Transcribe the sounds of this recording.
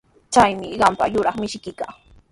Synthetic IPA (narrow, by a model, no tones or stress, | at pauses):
t͡ʃajmɪɢɑmpa̰jʊɾɑχmɪʃkɪkaː